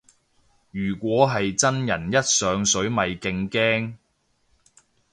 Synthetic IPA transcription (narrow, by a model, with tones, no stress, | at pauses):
jyː˨˩kʷɔː˨˥ɦɐ˨jt͡sɐ˥njɐ˨˩njɐ˥t̚sœː˨˧ŋsɵ˨˥ɥmɐ˨jkɪ˧ŋkɛː˥ŋ